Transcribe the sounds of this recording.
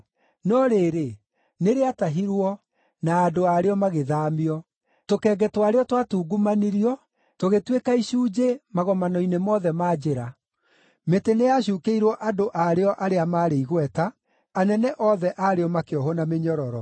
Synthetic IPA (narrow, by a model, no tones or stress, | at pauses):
nɔɾeːɾe | neɾeataɦiɾwɔ | naːdoaɾeɔmaɣeðaːmiɔ | tokɛːɡɛtwaɾeɔtwatuːɡumaniɾiɔ | toɣetwekaiɕuːd͡ʒemaɣɔmanɔinemɔðɛmaːd͡ʑeɾa | metenejaɕuːkeiɾwɔʔadoʔaɾeɔʔaɾeamaːɾeiɣwɛta | anɛnɛʔɔðɛʔaɾeɔmakeɔɦɔnameɲɔɾɔɾɔ